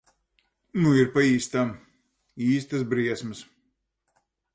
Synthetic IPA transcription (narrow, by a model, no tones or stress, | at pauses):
nuiɾpaiːst̪am | iːst̪ɨs̬bɾiɛsmɨs